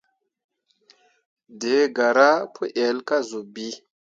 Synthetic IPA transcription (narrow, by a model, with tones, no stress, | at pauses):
de˨˦ɡa˨ɾa˦pʰu˦ʔe˨lka˦zu˨bi˦